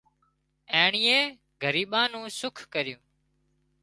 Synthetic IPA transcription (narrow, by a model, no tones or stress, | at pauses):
ẽːɳiːẽː | ɡʱəɾiːɓãːnũːsʊkʰkəɾɪjũː